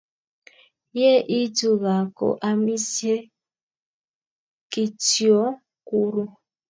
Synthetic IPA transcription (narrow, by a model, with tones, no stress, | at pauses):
je˦ʔi˦du˨ɣa˨ko̰˨ʔa˦mi˦sje˦ | ki˨ti˨ɔ˦ | ku˦ɾu˦